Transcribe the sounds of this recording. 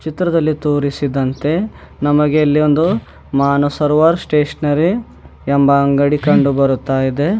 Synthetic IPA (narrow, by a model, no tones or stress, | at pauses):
t͡ʃit̪ɾɐd̪ɐlːit̪uːɾisid̪ɐnt̪e̞ | nɐmɐɡeɐlːiond̪u | maːnosɐɾʋaːɾsʈeːʂɐnɐɾi | ɛmbɐːŋɡɐɽikɐɳɖubɐɾut̪ːaːjid̪e̞